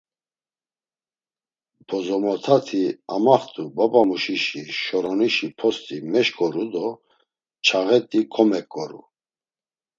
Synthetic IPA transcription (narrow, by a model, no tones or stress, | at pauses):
b̥ʰɔzɔmɔt̪ʰat̪ʰiamaχt̪ʼubapamuʃiʃiʃɔɾɔniʃipʰɔst̪ʼimɛʃkʼɔɾud̪ɔ | t͡ʃʰaɣɛt̪ʼikʰɔmɛkʼːɔɾṵ